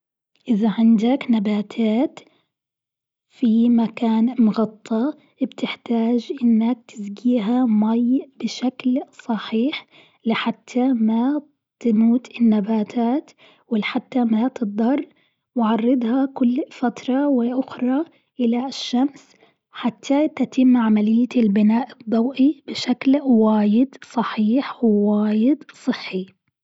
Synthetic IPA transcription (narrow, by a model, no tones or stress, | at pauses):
ʔɪðaʕɪnd̪aknabaːt̪ʰaːt̪ | fimakaːnmʊɣɑt̪ˤʰːɑ | bt̪ɪħt̪aːd͡ʒʔɪnːak̚t̪ɪzɡiːɦamajbɪʃaklsˤɑħiːħ | lɪħat̪ʰːama | t̪muːt̪ɪnːabaːt̪ʰaːt̪ | wɪlħat̪ːamat̪ɨd̪ˤɑrˤː | wɪʕɑrˤːɑd̪ˤhɑkʊlːfat̪ɾˤɑwɪʔʊxɾˤɑ | ʔɪlaʃːams | ħat̪ʰːat̪at̪ɪmːʕamalɪjːaɪlbɪnaːʔɨd̪ˤːɑwʔibɪʃaklwaːjɪd̪sˤɑħiːħwɪwaːjɪd̪sˤɨħːi